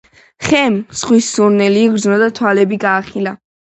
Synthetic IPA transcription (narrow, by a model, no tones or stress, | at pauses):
χɛmsχwisːuɾnɛliːɡɾd̪znad̪at̪ʰwalɛbiɡaːχila